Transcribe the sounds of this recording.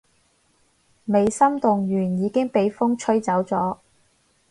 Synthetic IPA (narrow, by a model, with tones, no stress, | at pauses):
me˨˧jsɐ˥mt̪ʊ˨ŋjyː˨˩njiː˨˧kɪ˥ŋpe˨jfʊ˥ŋt͡ʃʰɵ˥ɥt͡sɐ˨˥wt͡sɔː˨˥